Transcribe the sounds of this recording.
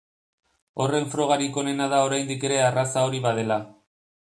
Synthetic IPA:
o̞re̞ɱfɾo̞ɣ̞aɾiko̞ne̞nað̞ao̞ɾajnd̪ike̞ɾe̞arasao̞ɾiβaðe̞la

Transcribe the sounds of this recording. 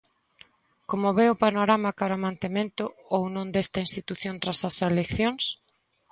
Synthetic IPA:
komʊβeʊpanoɾamakaɾamãnt̪emẽnt̪ʊownõŋd̪est̪ɐinst̪it̪uθjõnt̪ɾasɐselekθjoŋs

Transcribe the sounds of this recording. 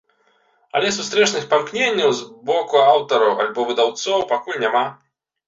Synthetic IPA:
ɐ̰lʲɛsust̪ɾɛt͡ʂnɨxpamknʲenʲːɐwzbɔkuawt̪ɐɾɐwa̰lʲbɔvɨd̪awt̪sɔwpakulʲnʲama

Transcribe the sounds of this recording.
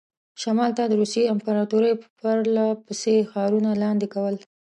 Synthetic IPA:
ʃamɑlt̪ad̪əɾusjeampaɾɑt̪uɾəjpəɾlapəsexɑɾunalɑnd̪ekawəl

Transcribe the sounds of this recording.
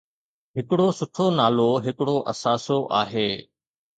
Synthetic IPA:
ɦɪkɪɽosʊʈʰonaːloːɦɪkɽoʔɐ̰saːsoʔaːɦeː

